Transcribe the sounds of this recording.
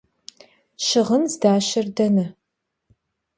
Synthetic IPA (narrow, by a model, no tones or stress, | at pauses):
ʃɪʁənzdaːʃɪrdɐnɐ